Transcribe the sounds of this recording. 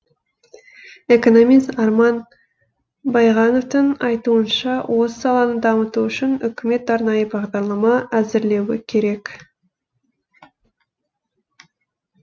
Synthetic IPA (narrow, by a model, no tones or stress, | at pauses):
e̞ko̞no̞mijst̪ɑɾmɑn | bɑjʁɑno̞ft̪ənɑjt̪uənʃɑwʔo̞ssɑlˠɑnəd̪ɑmət̪uʏʃɪnʏkʲɪme̞t̪ɑɾnɑjəbɑʁd̪ɑɾlˠɑmɑæzɪɾle̞wɪkʲʰe̞ɾe̞k